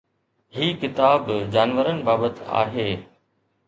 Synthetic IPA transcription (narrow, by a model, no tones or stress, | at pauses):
ɦiːkɪt̪aːbd͡ʑaːnʋəɾənɪ̆baːbət̪a̰ːɦeː